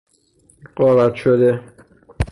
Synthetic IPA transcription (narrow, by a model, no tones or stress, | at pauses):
ɢɒːɾæt̪ʃod̪e